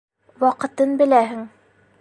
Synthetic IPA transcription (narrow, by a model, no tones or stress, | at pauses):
wɒqɤ̆t̪ɤnbɘ̆læɦɘŋ